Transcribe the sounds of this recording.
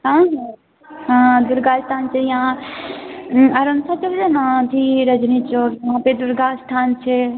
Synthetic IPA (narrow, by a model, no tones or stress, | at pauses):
ɦãːɦã | ɦãːd̪uɾɡaːst̪ʰaːnt͡ʃʰejãː | ɐɾɐnt̪ʰat͡ʃɐlɾenãd̪ʱiɾɐd͡ʒnit͡ʃoːɾɦãːped̪uɾɡaːst̪ʰaːnt͡ʃʰe